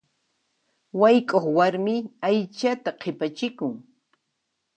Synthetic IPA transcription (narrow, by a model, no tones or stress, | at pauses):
wajkʼoχwaɾmɪajt͡ʃat̪aqʰɪpat͡ʃɪkʊŋ